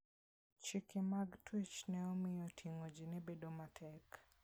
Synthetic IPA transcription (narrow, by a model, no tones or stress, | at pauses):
t͡ʃikemaɡtwet͡ʃnɛɔmɪjɔtʰiŋod͡ʒinɛbedomatʰɛk